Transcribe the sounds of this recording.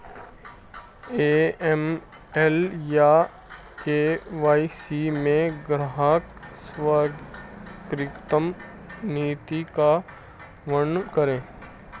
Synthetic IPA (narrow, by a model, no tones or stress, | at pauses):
eːɛm | ɛlja | keʋaːisimẽɡɾaɦaksʋaː | ɡɾɪkt̪əm | niːt̪ika | ʋənkəɾẽː